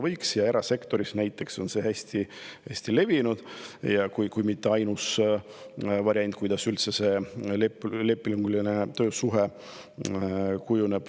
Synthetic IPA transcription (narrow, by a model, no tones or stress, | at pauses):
vɤjksjɑe̞ɾɑse̞kt̪o̞ɾisnæjt̪ˑːe̞kso̞nse̞hæsʲt̪ihæsʲt̪ile̞vinud̪̥jɑkujkujmit̪ːeɑjnus | vɑɾiɑnʲt̪̚ʲˑkujd̪̥ɑsylt̪sese̞lepːle̞pːˑiluŋɡ̥ulinet̪ø̞ːsuɦe | kujuneb̥